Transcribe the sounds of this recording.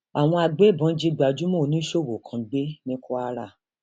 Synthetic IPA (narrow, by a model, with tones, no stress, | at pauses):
a˨w̃ɔ̃˧a˧ɡ͡be˦˨bɔ̃˨˦d͡ʒi˧ɡ͡ba˨d͡ʒu˦mɔ̃˦˨nĩ˦ʃo˦˨wo˨kʰã˧ɡ͡be˦nĩ˦ko˦a˧ɾa˦˨